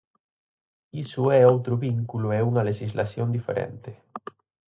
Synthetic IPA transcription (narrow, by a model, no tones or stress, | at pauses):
isuɛowt̪ɾʊβiŋkulʊɛuŋɐleʃizlasjond̪ifḛɾɛ̰nt̪ɪ